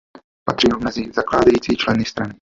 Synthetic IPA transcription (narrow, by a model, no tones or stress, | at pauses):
pat̪r̥iːɦovmɛzizaklaːdajiːt͡siːt͡ʃlɛnɪst̪ɾanɪ